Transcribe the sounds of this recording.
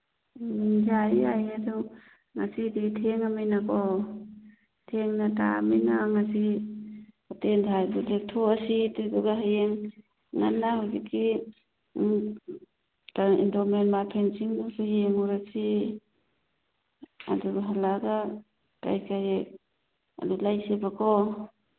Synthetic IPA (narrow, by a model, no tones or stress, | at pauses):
d͡ʒajajadu | ŋasiditʰeŋamijnakɔ | tʰeŋnata̰mijnaŋasi | katendʰʱajdudek̚tʰoasitudɔɡaɦajeŋ | ŋa̰nːahɔjɡitki | taḭndɔmenmapʰensiŋdusujeŋuɾasi | a̰duɦalaɡa | ka̰jkaɾek̚ | a̰dulajsebakʰɔ